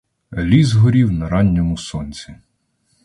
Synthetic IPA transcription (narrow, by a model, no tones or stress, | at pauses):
lʲizɦɔɾʲiwnɐɾɑnʲːɔmʊsɔnʲt͡sʲi